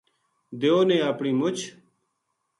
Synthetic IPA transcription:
d̪eoːnẽːapɳiːmʊt͡ɕʰ

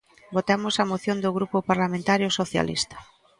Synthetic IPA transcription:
bot̪amʊsamoθjond̪oɣɾupʊpaɾlamẽnt̪aɾjʊsoθja̰lḭst̪ɐ̥

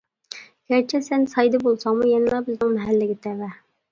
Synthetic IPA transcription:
ɡ̥ʲæɾt͡ʃʰɛsɛnsɑjd̪ɨbolˠsɑŋmujɛnɪlˠɑbɪznɪŋmɛɦælːɪɡʲɪt̪ʰɛvɛ

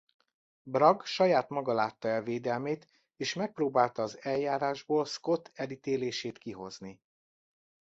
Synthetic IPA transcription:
brɒɡʃɒjaːt̪mɒɡɒlaːt̪ːɒɛlveːd̪ɛlmeːt̪ | eːʃmɛk̚proːbaːlt̪ɒːzɛljaːɾaːʒboːlsko̞t̪ʰɛlit̪eːleːʃeːt̪kiɦo̞̰zni

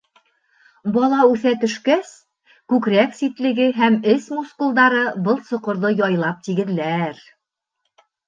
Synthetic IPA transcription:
bɒlˠɑʉθæt̪ɵ̆ʃkæs | kʉkɾæksit̪lɘ̆ɡɘɦæmɘsmuskulˠd̪ɑɾɤbɤlˠsŏqŏɾðɤjɒjlˠɑp̚t̪iɡɘ̆ð̆læɾ

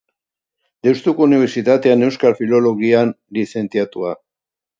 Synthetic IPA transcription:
d̪ewst̪ukouniβe̞ɾsit̪at̪e̞ane̞wskalfilo̞lo̞ɣian | lise̞nt͡siat̪ua

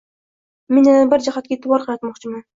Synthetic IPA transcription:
menanɪbɪɾd͡ʒahat̪̚kʲaet̪ʰːɪwɒɾqʰɨlˠjɑt̪mɒqt͡ʃʰɪman

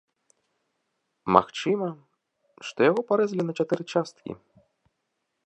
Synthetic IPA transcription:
ma̰xt͡ʂɨmɐ | ʂt̪ɔjaɣɔpaɾɛzlʲinɐt͡ʂat̪ɛɾɨt͡ʂast̪kʲḭ

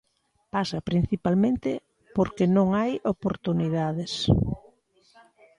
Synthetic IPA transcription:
pasɐpɾin̟θipalmẽnt̪ɪ | poɾkenõŋajopoɾt̪uniðaðɪs

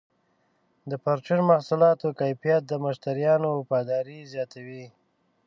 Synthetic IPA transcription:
d̪əpaɾt͡ʃunmahsʊlɑt̪okajfijat̪̚d̪əmaʃt̪aɾjɑnopɑd̪ɑɾizjɑt̪awi

